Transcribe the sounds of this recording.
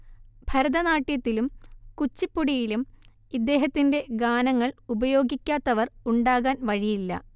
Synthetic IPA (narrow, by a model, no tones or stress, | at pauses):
bʱɐɾɐd̪ɐnaːʈːjɐt̪ːilumkut͡ɕːipːuɽijilum | id̪ːe̞ːɦɐt̪ːinde̞ɡaːnɐŋːɐɭubɐjo̞ːɡʱikʲːaːt̪ːɐʋɐruɳɖaːɣaːnʋɐɻijilːɐ̰